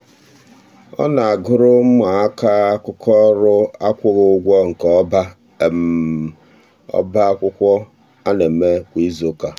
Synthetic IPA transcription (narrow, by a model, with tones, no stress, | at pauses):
ɔ̰˦na˨a˨ɡʊ˦ɾʊ˦m̩˦ma˨a˦ka˦kʊ˦kɔ˦ɾʊ˦a˦kʷʊ˦ɣʊ˦ʊ˦ɡʷɔ˦ŋ̩˨kba˦˨ | m | ɔ̰˦ba˦kʷʊ˦kʷɔ˦ | a˦ne˨m̩˨me˦kʷi˨i˦zo˨ka˨